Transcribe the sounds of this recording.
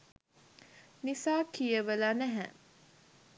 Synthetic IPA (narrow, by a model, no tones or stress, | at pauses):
nisaːkijəʋəlanæɦɛ